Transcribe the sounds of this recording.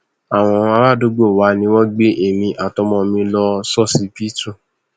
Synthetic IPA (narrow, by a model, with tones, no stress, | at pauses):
a˨w̃ɔ̃˧ɔ̃˧a˧ɾa˦˨do˨˦ɡ͡bo˦˨wa˨˦nĩ˧wɔ̃˦ɡ͡be˦ʔe˦˨mĩ˧ʔa˨tɔ˧˦mɔ̃˧mĩ˧lɔ˧sɔ˦˨si˨˦pi˦tũ˦˨